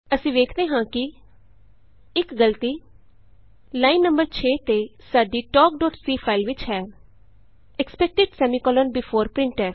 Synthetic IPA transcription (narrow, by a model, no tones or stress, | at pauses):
əsĩːʋeːkʰd̪eːɦãːkɪ | ɪkɡəlt̪iː | laːinːə̃mbəɾt͡ʃʰeːt̪eːsaːɖiːʈɔːk̚ɖɔːʈsiːpʰaːilʋɪt͡ʃɦɛː | ɛkspɛk̚ʈɪɖsɛːmĩːkɔːlənbɪpʰoːɾpɾɪ̃ɳʈɛː